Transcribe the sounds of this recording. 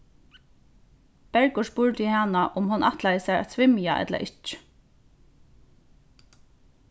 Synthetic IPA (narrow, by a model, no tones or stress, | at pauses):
pɛɹkʊʂpuːɹt̪ɪhanaʔʊmhʊnʔaht̪lajəsaɹa̰t̪tsʰʋɪmja̰ʔɛ̰t̪la̰ʔɪt͡ʃ